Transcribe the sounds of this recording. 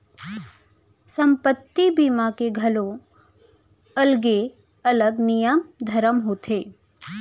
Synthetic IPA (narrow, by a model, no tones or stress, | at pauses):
sə̃mpət̪ːibiːmakeɡʱɐlõ | ɐlɡe | ɐləɡnijəmd̪ʱɐɾəmɦoːt̪ʰeː